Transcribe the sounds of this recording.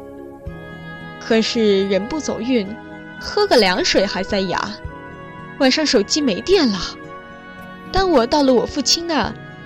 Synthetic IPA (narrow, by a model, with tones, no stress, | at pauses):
kʰɤ˨˩ʂɻ̩˥˩ɻə˧˥npu˥˩t͡so˨˩ʊy˥˩n | xɤ˥ɡə˨ljɑ˧˥ŋʂwe˨˩ɪxa˧˥ɪt͡sa˥˩ɪja̰˧˥ | wa˨˩nʂɑ˥˩ŋʂo˨˩ʊt͡ɕi˥me˧˥ɪt̪jɛ˥˩nlə˩ | t̪a˥˩ŋwɔ˨˩t̪ɑ˥˩ʊlə˨wɔ˨˩fu˥˩t͡ɕʰi˥ŋd̪ə̰˨